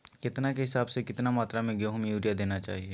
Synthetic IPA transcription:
kɪt̪nakeɦɪsaːbsekɪt̪namaːt̪ɾamẽɡeoɦmjuːɾijad̪eːnat͡ʃa̰ːɦieː

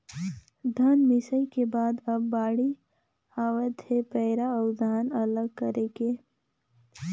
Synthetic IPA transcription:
d̪ʱənmɪsəikebaːd̪ɐbːaːɽi | aːwəd̪hepɛːɾaɔːɾd̪ʱaːnɐləɡ̚kəɾeːɡeː

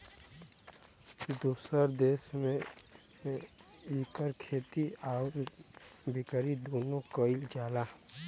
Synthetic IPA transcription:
d̪uːsəɾd̪eːsmẽ | iːkəɾkʰeːt̪iɔːɾ | bɪkəɾid̪oːnõkəɪld͡ʒaːlaː

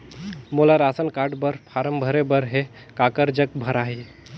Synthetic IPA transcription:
molaɾasənkaɖbəɾpʰaɾəmbʱəɾebəɾɦe | kakəɾd͡ʒəkbʱəɾaɦi

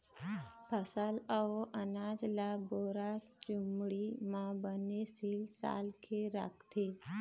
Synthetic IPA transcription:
pʰəsələʔənaːd͡ʒlaboːɾa | t͡ʃʊmɽimãbənesilsa̰ːlkʰeɾa̰kʰt̪e

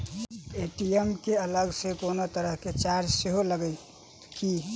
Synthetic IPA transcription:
eʈiemkeələɡsekonot̪əɾəɦket͡ʃaɾd͡ʒseɦoləɡəj | ki

